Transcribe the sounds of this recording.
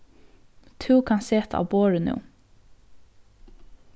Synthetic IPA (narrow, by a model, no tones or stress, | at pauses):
t̪ʰʉːkʰɑnseːt̪ʰɑ̰ːʋboːɹʉnʉ̰ː